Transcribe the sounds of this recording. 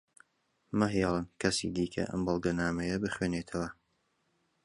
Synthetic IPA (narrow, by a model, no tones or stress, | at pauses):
mɨɦjɑlˠɨnkʰɐsḭd̪iːkʰɐ̰ʔɐ̰mbɑlˠɡɐnaːmɐjɐbɨχweːneːt̪ʰɐwɐ